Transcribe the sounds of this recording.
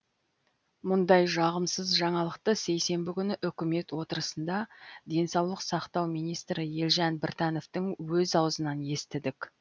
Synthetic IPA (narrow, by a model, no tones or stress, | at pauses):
mʊnd̪ɑjʒɑʁəmsəzʒɑɴɑlˠəqt̪əse̞jse̞mbɪkʲʰʏnɪʔʏkʲɪme̞t̪wo̞t̪əɾəsənd̪ɑd̪e̞nsɑwlˠəqsɑqt̪ɑwmijnijst̪ɾɪje̞lʒɑnbɪɾt̪ɑno̞ft̪ɪŋwɵzɑwəzənɑne̞st̪ɪd̪ɪkʲ